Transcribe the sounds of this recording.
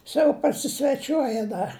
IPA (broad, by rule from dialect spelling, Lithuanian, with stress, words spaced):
ˈsɐʊ pɐsʲɪsʲʋʲɛˈt͡ʃʲuɔjɛ ˈdɐr